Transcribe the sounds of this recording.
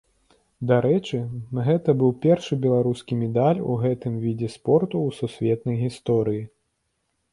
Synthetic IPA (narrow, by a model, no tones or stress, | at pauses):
d̪aɾɛt͡ʂɨɣɛt̪ɐbɨwpʲɛrʂɨbʲɛlˠaɾuskʲimʲɛd̪alʲṵɣɛt̪ɨmvʲid͡zʲɛspɔrt̪uːsusʲvʲɛt̪nɐjɣʲist̪ɔɾɨji